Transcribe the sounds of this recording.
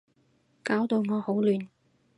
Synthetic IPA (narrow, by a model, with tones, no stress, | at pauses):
kaː˨˥wt̪o˨˧wŋɔː˨˧ho˨˥wlyː˨n